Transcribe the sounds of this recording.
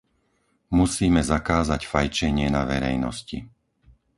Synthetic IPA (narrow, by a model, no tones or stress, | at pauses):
musiːmɛzakaːzacfajt͡ʃɛɲɪɛnaʋɛɾɛjnɔscḭ